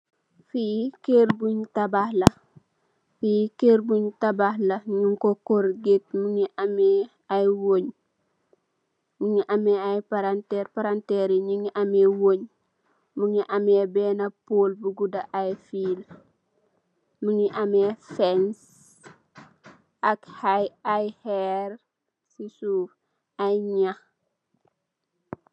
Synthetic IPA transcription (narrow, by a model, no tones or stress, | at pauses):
fijikeɾbuɲtabahlɐ | fijikeɾbuɲtabahlɐɲuŋkokoɾɡet̚muŋiʔame | ajwoɲ | muŋiʔamɛajpaɾanteɾpaɾanteɾiɲiŋiʔamewoɲ | muŋiʔɐmɛbɛːnɐpolbuɡudɐʔajfil | muŋiʔɐmɛfɛns | ʔɐkhajajhɛɾ | sisuːf | ajɲax